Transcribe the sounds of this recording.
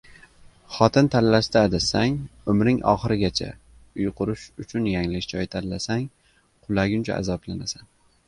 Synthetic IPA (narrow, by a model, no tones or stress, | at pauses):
χɒt̪ʰɪnt̪ʰalːaʃd̪aːd̪asaŋʊmɾɪŋʔɒ̰χɨɾɪɡʲat͡ʃʰa̰ | ʊjqʰʊɾʊʃʊt͡ʃʰʊnjaŋlɪd͡ʒɒjt̪ʰallasaŋ | qʰʊlˠaɡʲʊnt͡ʃʰa̰a̰zɒplanasan